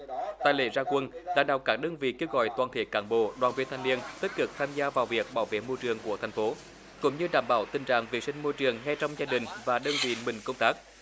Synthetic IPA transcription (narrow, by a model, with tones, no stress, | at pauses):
t̪aː˨jlḛ˧˩zaː˧kwə˧nɗa̰ː˧˩ŋɗə˨˩kaː˦˥k̚ɗəː˧nvḭ˧˨ke˧wɣɔ̰˧˨jt̪waː˨˩nt̪ʰe˧˨˦kaː˧˩nɓo̰˧˨ɗwaː˨nvi˧ənt̪ʰa˧jŋni˧ənt̪i˦˥t̚kɨ˨˩k̚t̪ʰaː˧mzaː˧vaː˨˩wvi˨˩ək̚ɓaː˧˩wvḛ˧˨mo˧jt͡ɕɨ˨˩əŋku˧˩ət̪ʰjŋ̟fo˨˦ | kʊ̰˧˥ŋ͡mɲɨ˧ɗaː˧˩mɓaː˧˩wt̪ï˨˩ŋ̟t͡ɕa̰ː˧˨ŋvḭ˨˩sï˧ŋ̟mo˧jt͡ɕɨ˨˩əŋŋa˧jt͡ɕɔ˧wŋ͡mzaː˧ɗï˨˩ŋ̟vaː˨˩ɗəː˧nvḭ˧˨mï˨˩ŋ̟kə˧wŋ͡mt̪aː˦˥k̚